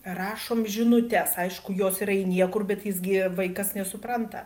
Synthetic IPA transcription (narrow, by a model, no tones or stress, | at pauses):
rɑːʃoːmʒʲɪnʊt̪ʲɛsɐɪʃkʊjoːsɪɾɐɪnʲiɛkʊrbʲɛt̪jɪsɡʲɪʋɐɪkɐsnʲɛsʊpɾɐnt̪ɐ̰